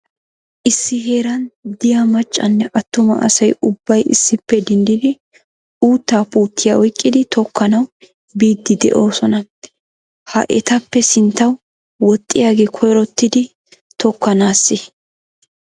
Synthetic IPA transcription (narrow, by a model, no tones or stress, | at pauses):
ʔɪsːɪɦe̞ːɾɐnd̪ɪjamɐt͡ʃʼːɐnːɛʔɐt̪ːʊmɐ̰ʔɐ̰sɐjʊbːɐjɪ̰sːɪpːɛd̪ɪnd̪ɪd̪ɪ | uːt̪ːaːpuːt̪ːɪjaɔjkʼːɪd̪ɪt̪ɔkːɐnɐw | biːd̪ːɪd̪ɛ̰ʔo̞ːsɔnɐ | hɐ̰ʔɛ̰t̪ɐpːɛsɪnt̪ːɐw | wɔt̪ʼːɪjaːɡɛkʰɔjɾɔt̪ːɪd̪ɪ | t̪ɔkʰːɐnaːsːɪ